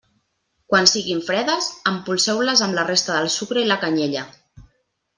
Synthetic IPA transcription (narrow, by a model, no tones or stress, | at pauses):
kwansiɣiɱfɾɛðəzəmpulˠsɛwləzəmlərest̪əðəlˠsukɾəiləkəɲeʎə